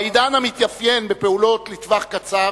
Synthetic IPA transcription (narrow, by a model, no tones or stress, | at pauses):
id̪anamit̪jafje̞nbepe̞ulo̞t̪lit̪vaχkat͡sa